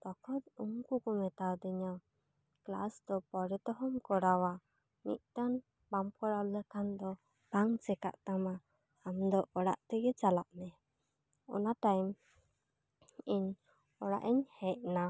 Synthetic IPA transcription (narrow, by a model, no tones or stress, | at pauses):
d̪ɔkʰɔt̪̚uŋkukɔmɛt̪awd̪iɲaw | kla̰sd̪ɔpɔɾɛt̪ɔɦɔmkɔɽawa | mḭt̪̚ˀt̪an | bamkɔɽawlɛkʰand̪ɔ | b̥aŋt͡ʃɛka̰ʔt̪amaː | md̪ɔʔɔɽa̰ʔt̪ɛɡɛt͡ʃalaʔmɛ | ɔ̰naʈajm | iɲ | ɔɽa̰ʔiɲhɛʔ̚na